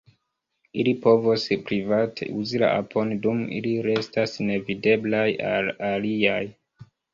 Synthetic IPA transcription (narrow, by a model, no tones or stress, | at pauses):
ilipo̞vospɾivatʰḛʔuzila̰ʔa̰pʰo̞ndumḭliɾe̞stasne̞vide̞blaja̰laliaj